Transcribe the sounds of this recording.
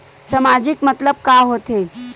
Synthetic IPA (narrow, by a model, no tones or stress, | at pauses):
sɐmaːd͡ʒɪkmət̪ləb̚kaːɦoːt̪e